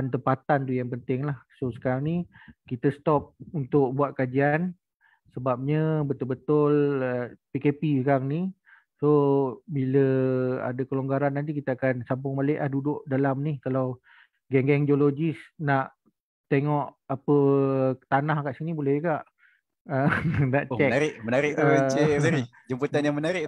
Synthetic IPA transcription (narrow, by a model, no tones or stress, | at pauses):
ant̪əmpat̪ant̪ujaŋpənt̪ɪŋlahsosə̥kaɾaŋnikit̪əsə̥t̪ɔp̚unt̪ʊʔ̚buat̪̚kad͡ʒian | səbap̚ɲəbət̪ʊlbət̪ʊləpikepisəkaɾaŋni | sobiləa̰dakəloŋɡaɾanːant̪ik̬it̪aakansampʊŋmalɛʔlahdudʊʔdalamnihkalaw | ɡɛŋɡɛŋdiolod͡ʒisnaʔ | t̪eŋɔʔ | apət̪anahkaʔsinibolɛhjkaʔ | ənaʔt͡ʃɛnaɾɪʔmənaɾɪʔeməaɾɪ | d͡ʒəmpət̪anjaŋmənaɾɪʔ